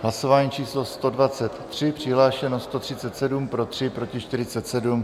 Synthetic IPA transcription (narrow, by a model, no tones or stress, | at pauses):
ɦlaso̞vaːɲiːt͡ʃiːslo̞st̪o̞dvat͡sɛt̪ːr̝̥ɪpr̝̥ɪɦlaːʃɛnost̪o̞t̪r̥ɪtt͡sɛt̪sɛdumpɾo̞t̪r̝̥ɪpɾo̞cɪʃt̪ɪɾɪt͡sɛt̪sɛdum